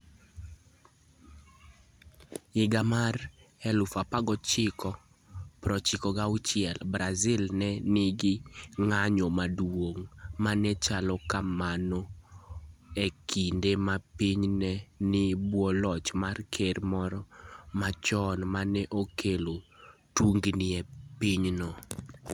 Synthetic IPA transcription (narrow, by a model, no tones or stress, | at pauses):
ɪɡamarɛlʊfapaɡɔt͡ʃɪkʰɔ | pɾɔt͡ʃɪkɔɡaʊt͡ʃɪjɛlbɾazɪlnɛnɪɡɪŋaɲɔmadwoŋmanɛt͡ʃalɔkamanɔ | ekʰindemapiɲnɛnɪbwɔlɔt͡ʃmarkʰeɾmɔɾɔmat͡ʃɔnmanɛʔokʰelotuŋɡnɪɛpiɲnɔ